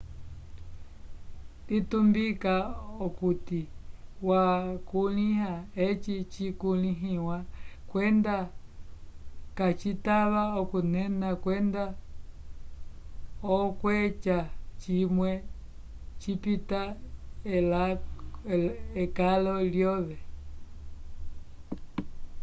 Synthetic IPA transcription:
dit̪umbikaokut̪iwakulĩɦaet͡ʃit͡ʃikulĩɦĩwãkwend̪a | kat͡ʃit̪aβaokunɛnãkwend̪a | ɔkwet͡ʃat͡ʃimwɛ | t͡ʃipit̪aelalekalɔljɔðɛ

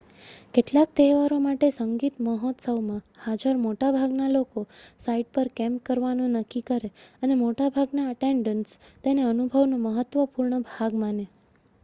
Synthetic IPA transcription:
keʈlakt̪eʋaɾomaʈesəŋɡit̪məɦɔt̪səwmãhad͡ʒəɾmoʈabʱaɡnalokosaiɖ̚pəɾkɛ̃mp̚kəɾʋanũnəkːikəɾeənemoʈabʱaɡnaəʈeɳɖənst̪eneənubʱəʋnoməɦət̪ːʋəpuɾɳəbʱaɡmane

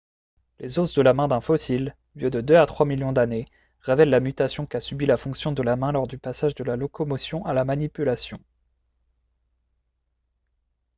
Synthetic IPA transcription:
lʔezosd̪əlamɛ̃d̪ɛ̃fɔsil | ljød̪əd̪øat̪χwamiljɔ̃d̪ane | ʁevɛlːamyt̪asjɔ̃kasybilafɔ̃ksjɔ̃d̪əlamɛ̃lɔʁd̪ypasaʒd̪əlalɔkɔmɔsjɔ̃ʔalamanipylasjɔ̃

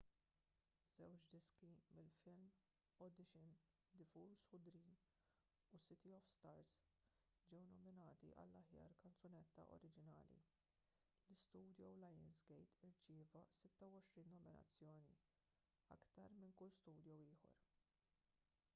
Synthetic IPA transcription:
z̥ɛwt͡ʃd̪ɪskimɪlfɪlm | ɔd̪ɪʃɪn | d̪ɪfuɾshʊd̪ɾiːn | usɪt̪iɔfst̪ɐɾs | d͡ʒɛwnɔmɪnɐːt̪ḭʔɐ̰lːɐħjɐ̰ːɾkɐnt͡sɔnɛt̪ːɐ̰ʔɔ̰ɾɪd͡ʒɪnɐ̰ːlḭ | lɪst̪uːd̪jɔwlɐjɪnsɡɛjt̪ɪɾt͡ʃɪːvɐsɪt̪ːɐwɔʃɾiːnːɔmɪnɐ̰t͡sːjɔːnḭ | ɐ̰kt̪ɐɾmɪŋkʊlːst̪uːd̪jɔwɪːħɔ̰ɾ

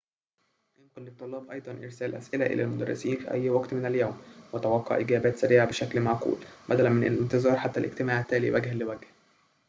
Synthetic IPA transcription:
jemqɑlːet̪ˤːolːɑːbʔɑjd̪ˤɑnʔḛɾsæːlʔæ̰sʔelæʔḛlʔælmʊd̪æ̰rˤːḛsiːnfḭʔæjːwɑɡt̪menæljæːmwet̪æwɑqːɑ̰ʕʔeɡæːbæːt̪sæɾiːʕabeʃæklmaʕqṵːlbæd̪ælænmenʔḛnːælent̪ezˤɑːɾˤħat̪ːælʔḛɡt̪emaːʕæt̪ːæːlḭwæɡhælːewæɡh

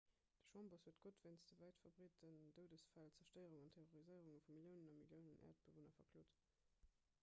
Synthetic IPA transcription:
d̥ə̥ʃwɑmboshuətɡ̥otvæɪnsd̥əvæɪtfɐbʁiːtənd̥əʊdəsfælt͡sɛɐʃtəɪəʁuŋɑntʰeʁoʁizəɪəʁuŋəfumiljəʊnənɑmiljəʊnənʔæ̰ːɐt̚b̥əvonɐfɐkʰloːt

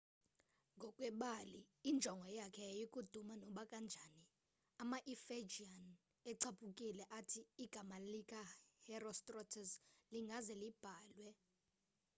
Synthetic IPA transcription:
ŋɡʱɔkʼwɛɓaliːnd͡ʒʱɔŋɡʱɔjakʰɛjikʼud̥ʱumanɔɓakʼand͡ʒʱani | amaʔifed͡ʒian | ɛǀʰapʰʼukʼilɛʔatʰiːɡ̥ʱamalikʼahɛrɔstʼrɔtʰɛsliŋɡʱazɛlib̥ʱaːlwɛ

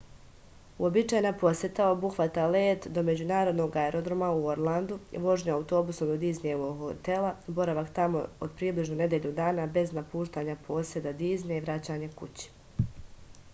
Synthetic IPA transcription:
uo̞bit͡ʃaːjnapo̞set̪ao̞buxʋat̪aleːt̪d̪o̞me̞d͡ʑunaːɾo̞d̪no̞ɡaeɾo̞d̪ɾomauoɾlˠand̪uʋo̞ʒɲaawut̪o̞busomd̪od̪iːzɲeʋoɡot̪e̞lˠabo̞ɾaʋakt̪amo̞̰o̰d̪pɾiːbliʒnone̞d̪eʎud̪aːnabe̞znapuːʃt̪aːɲapʰo̞ːsje̞d̪ad̪iːzneiʋɾat͡ɕaɲakṵt͡ɕi̥

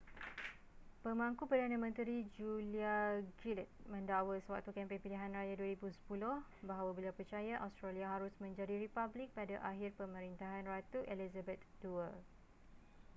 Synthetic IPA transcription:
pəmaŋkupərdanãmə̃nt̪ɾid͡ʒuliaɡilɛt̪̚mə̃ndawəsəwa̰k̚t̪ukɛmpeŋpiliɦanrajaduəɾibusə̥pulʊhbaɦawabəliawpərt͡ʃajaʔawst̪ɾaliaɦaɾʊsmə̃ɲd͡ʒadiɾipablɪk̚padaʔaɦɪrpəmə̃ɾint̪aɦanrat̪uʔelizabɛt̪duə

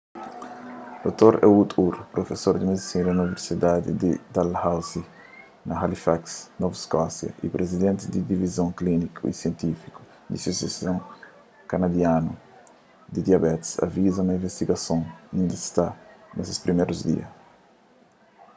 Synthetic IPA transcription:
d̪ot̪oɾeut̪ʰuɾpɾofesoɾd̪imed̪isĩɾɐuniveɾsid̪ad̪id̪id̪alhawzi | nɐɦalifaksnovskɔsjɐ̰ʔipɾʔezid̪ẽnt̪ɪd̪id̪ivizõŋklinikʰṵḭsjẽnt̪ifi̥ku̥ | d̪isosjasõŋ | kanad̪janu | d̪id̪jabɛt̪sa̰vizɐnɐĩvest̪iɡɐsõŋĩnd̪ɐst̪anosespɾimeɾuzd̪ḭɐ̰s

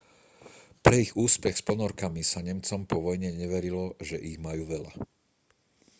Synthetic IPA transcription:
pɾɛiɣuːspɛxspɔnɔɾkamisaɲɛmt͡sɔmpɔʋɔjɲɛɲɛʋɛɾilɔʒɛʔiɣmajuːʋɛʎa̰

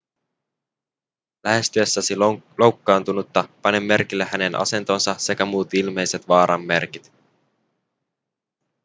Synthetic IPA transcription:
læɦe̞st̪yesːæsilo̞wkːɑːnt̪unut̪ːɑpɑnemːe̞ɾrkilːehæne̞nʔɑ̰se̞nt̪o̞ːnsɑse̞kæmuːt̪ilme̞jse̞t̪ʋɑːɾʔɑmːe̞̰rkit̪

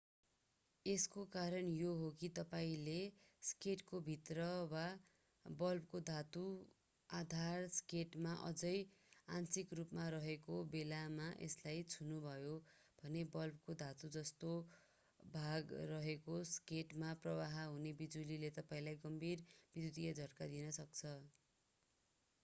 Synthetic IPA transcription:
eskokaɾʌnjoɦokit̪ʌpaĩleskeʈkobʱit̪rʌwa | bʌlp̚kod̪ʱat̪u | ad̪ʱarskeʈmaʔʌ̰d͡zʌjãnsikrupmaɾʌɦekobelamaʔḛslajt͡sʰunubʱʌjo | b̥ʱʌnebʌlb̚kod̪ʱat̪ud͡zʌst̪o | bʱaɡrʌɦekoskeʈmaprʌwaɦɦunebid͡zulilet̪ʌpaĩlajɡʌmbʱirbid̪ʱjud̪iad͡zʱʌrkad̪inʌsʌk̚t͡sʰʌ

